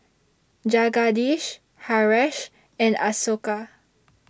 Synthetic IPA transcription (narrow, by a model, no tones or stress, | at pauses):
d͡ʒaɡadiʃ | haɹɛʃ | ɛ̃na̰soka